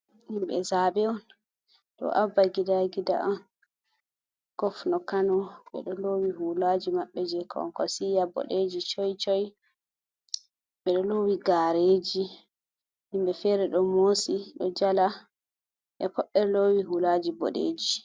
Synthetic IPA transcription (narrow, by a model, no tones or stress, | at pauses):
himbɛ̰zaːbɛɔn | ɗɔ̰ʔavːaɡidaɡida̰ʔan | ɡ̥ɔfnɔkanɔɓɛ̰ɗɔlowiɦulad͡ʒimaɓːɛd͡ʒɛkʰɔ̰nkɔsijabɔ̰ɗed͡ʒit͡ʃɔjt͡ʃɔj | ɓɛɗɔlowiɡaɾeːd͡ʒi | himbɛfɛɾɛɗɔmoːsiɗɔd͡ʒala | ʔɛkɔɗːɛɾlowiɦulad͡ʒibɔ̰ɗḛːd͡ʒi